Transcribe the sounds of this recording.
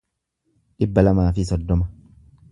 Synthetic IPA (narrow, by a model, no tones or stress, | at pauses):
ᶑɪbːɐlɐmaːfɪsɔd̪ːɔmɐ